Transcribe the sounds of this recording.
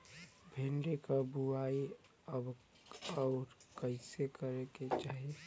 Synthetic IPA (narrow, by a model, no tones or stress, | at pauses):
bʱenɖekabuaːi | əb | ɔʊɾkəɪsekəɾeket͡ʃaːɦe